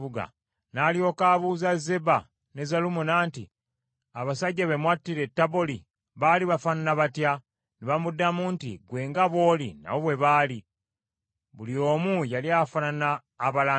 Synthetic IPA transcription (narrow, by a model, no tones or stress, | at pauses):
uɡa̰ | naːlio̞ːkaːβuːzaze̞ba | ne̞zalumunaːnti | aβasaɟːaβe̞mwatːiɾe̞tːaβoli | βaliβafananaβatja | niβamudːamuntḭɡwe̞ːŋɡaβwo̞ːlḭna̰woβwe̞βaːli | βulio̞ːmujaliafananaː | βala